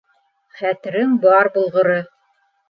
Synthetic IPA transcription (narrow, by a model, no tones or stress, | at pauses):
χæt̪ɘ̆ɾɘŋbɑɾbŭlˠʁɤ̆ɾɤ